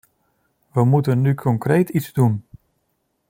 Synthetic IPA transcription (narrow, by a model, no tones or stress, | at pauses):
ʋəmutənːykʰɔŋkrejtʰizdun